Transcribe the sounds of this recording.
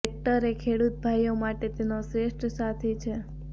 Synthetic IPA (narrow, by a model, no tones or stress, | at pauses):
ek̚ʈəɾekʰeɽut̪̚bʱajomaʈet̪enosɾeʃʈʰəsat̪ʰet͡ʃʰe